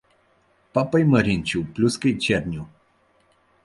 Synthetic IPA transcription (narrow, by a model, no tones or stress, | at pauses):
papəjməɾʲinʲt͡ʃuplʲuskəjt͡ʃernʲu